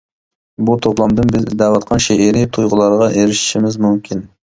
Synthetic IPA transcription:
but̪ʰoplˠɑmd̪ɨnbɪzd̪æwɑt̪̚qʰɑnʃeʔeɾit̪ʰujʁʊlˠɑɾʁɑʔeɾɪʃi̥ʃimɪzmumkʲʰin

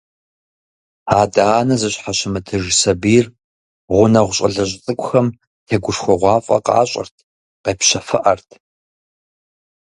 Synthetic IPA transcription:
aːdaːnɐzɨɕħaɕɪmɨtʰɨʒsɐbiːr | ʁʷʊnɐʁʷʊɕʼɐɮɐɕʼt͡sʼɨkʷʼʊxɐm | tʰeːɡʷʊʂxʷɔʁʷɑːfʼɐ̰qɑ̰ːɕʼɐ̰rtʰ | qeːpɕɐfɨʔɐrtʰ

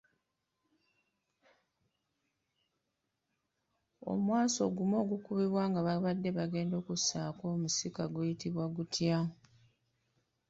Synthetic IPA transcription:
o̞̰mwaːso̞̰ɡumo̞ːɡukuβiβwaːŋɡaβaβadːe̞βaɡe̞ːndo̞ːkusaːko̞ːmusikaɡwejitiβwaɡutʰja

